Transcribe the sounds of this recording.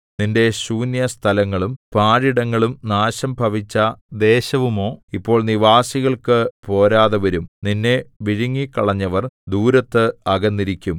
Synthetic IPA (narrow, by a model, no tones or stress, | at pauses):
ninde̞ɕuːnjɐst̪ʰɐlɐŋːɐɭumpaːɻiɽɐŋːɐɭumnaːɕɐmbʱɐʋit͡ɕːɐd̪e̞ːɕɐʋumo̞ːipːo̞ːɭniʋaːsiɣɐɭkɨpo̞ːɾaːðɐʋɐɾumninːeʋiɻuŋːikːɐɭɐɲːɐʋɐrd̪uːɾɐt̪ːɨɐɡɐnːiɾikʲːum